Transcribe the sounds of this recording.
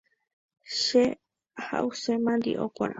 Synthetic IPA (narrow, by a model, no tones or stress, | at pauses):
ʃe | ha̰ʔusemãnd̪ḭʔokʷa̰ɾã̰